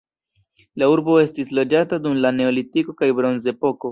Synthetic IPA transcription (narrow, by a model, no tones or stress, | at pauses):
lauɾbo̞e̞stislo̞d͡ʒatadumlane̞o̞litiko̞kajbɾo̞nze̞po̞ko̞